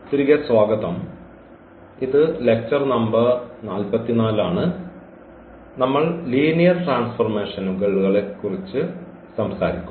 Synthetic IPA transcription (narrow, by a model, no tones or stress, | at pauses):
t̪iɾiɣɐswaːɡɐðɐm | iðɨle̞k̚t͡ɕɐrnɐmbɐrnaːlpɐt̪ːinaːlaːɳɨ | nɐmːɐɭliːnijɐrʈraːnsfɐrme̞ːʂɐnuɡeɭːuɣɐɭe̞kːurit͡ɕːɨ | sɐmsaːɾikʲːu